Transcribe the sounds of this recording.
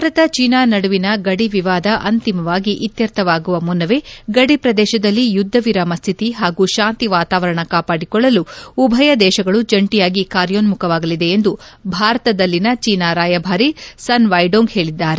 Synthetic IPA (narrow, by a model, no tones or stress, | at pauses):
bʱaːɾɐt̪ɐt͡ʃiːnaːnɐɽuʋinɐɡɐɽiʋiʋaːd̪ɐʔɐnt̪imɐʋaːɡiʔit̪jɐɾt̪ʰɐʋaːɡuʋɐmunːɐʋeɡɐɽipɾɐd̪ɛːʃɐd̪ɐlːijud̪ʱːɐʋiɾaːmɐst̪ʰit̪iɦaːɡuːʃaːnt̪iʋaːt̪aːʋɐɾɐɳɐkaːpaːɽikɔɭːɐluubʱɐjɐd̪ɛːʃɐɡɐɭud͡ʒɐɳʈijaːɡikaːɾjoːnmukʰɐʋaːɡɐlid̪e̞ːnd̪ubʱaːɾɐt̪ɐd̪ɐlːinɐt͡ʃiːnaːɾaːjɐbʱaːɾisɐnʋɐjɖoːŋɡhe̞ːɭid̪ːaːɾe